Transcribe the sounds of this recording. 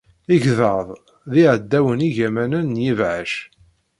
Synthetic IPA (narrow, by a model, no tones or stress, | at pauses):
iʝðəðˤ | ðiʕəd̪ːæwəniʝæmænənːjivʕəʃ